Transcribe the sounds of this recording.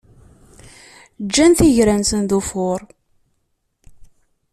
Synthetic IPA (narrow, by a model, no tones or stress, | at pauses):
d͡ʒːænθiʝɾænsənðufʊɾˤ